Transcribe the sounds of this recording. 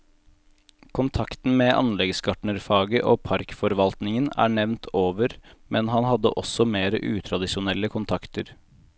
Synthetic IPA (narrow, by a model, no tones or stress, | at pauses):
kʰʊnt̪ʰɑkt̪n̩meːʔɑ̰nlɛɡsɡɑʈɳəɾfɑːɡəʔoːpʰɑɾkfɔɾʋɑlt̪nɪŋənæ̰ːɳɛʋnt̪ʰoːʋəɾmɛnhɑnhɑd̪ːə̰ʔɔsɔmeːɾəʔʉ̰ːt̪ʰɾɑd̪ɪʃʊnɛlːəkʰʊnt̪ʰɑkt̪əɾ